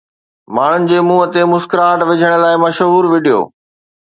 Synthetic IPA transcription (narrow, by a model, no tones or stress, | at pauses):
maːɳ̤ʊnɪ̆d͡ʑeːmuːət̪emʊskɾaːʈʋɪd͡ʑʱəɽ̃ə̆laːɪmɐʃəɦuːɾʋiɖijo̰ː